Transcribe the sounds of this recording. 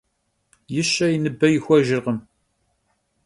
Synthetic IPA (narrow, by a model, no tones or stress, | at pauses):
jəʃːæjnəbːæjəxʷæʒəɾʁəm